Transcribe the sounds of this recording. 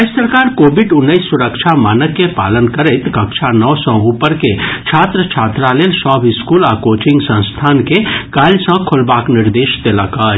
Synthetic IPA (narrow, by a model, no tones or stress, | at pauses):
ɛsəɾkaːɾkoːbɪɖʊnːəisːʊɾəkʃʰamaːnəkːepa̰ːlənkəɾet̪kɐkʃʰanɔːsə̃uːpəɾket͡ʃʰaːt̪ɾət͡ʃʰaːt̪ɾaleːlsɔːbɪskuːlaːkoːt͡ʃɪ̃ŋɡsə̃nst̪ʰaːnkekaːlsə̃kʰʊlbaːknɪɾd̪eːʃd̪elakaː